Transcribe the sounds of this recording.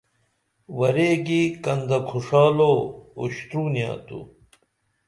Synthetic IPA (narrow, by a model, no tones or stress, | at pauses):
wɐɾeːɡikɐnd̪ɐkʰuʂaːloo̰ɕt̪ɾuːnja̰ːt̪ṵ